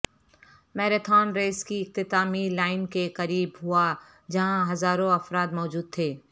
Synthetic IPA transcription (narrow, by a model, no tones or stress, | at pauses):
mɛːɾet̪ʰaːnɾeːskiɪq̚t̪ɪt̪aːmilaːɪnkeqɐɾiːbɦʊa | d͡ʒɐɦãɦɐzaːɾõɐfɾaːd̪mɔːd͡ʒuːd̪̚t̪ʰeː